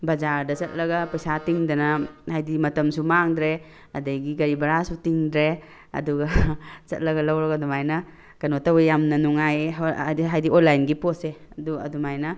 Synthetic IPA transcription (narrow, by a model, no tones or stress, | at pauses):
bɐzaɾdɐzɐt̚lɐɡɐpɐjsatiŋdɐnɐhajdimɐtɐmsumaŋdɾe | ɐdajɡiɡɐɾibɐɾasutiŋdɾe | ɐ̰duɡɐt͡ʃɐt̚lɐɡɐlɐwɾaɡadumajnɐ | kɐnotawejamnɐnuŋajɦajdionlajnɡipose | duɐ̰dumajnɐ